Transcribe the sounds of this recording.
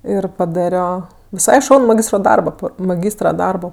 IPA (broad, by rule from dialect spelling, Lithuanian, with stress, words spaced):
ɪr pɐˈdɑːrʲoː ʋʲɪˈsɐɪ ˈʃɐʊnʊ mɐˈɡʲiːstroː ˈdɐrboː ˈpɐ mɐˈɡʲiːstrɐ ˈdɐrboː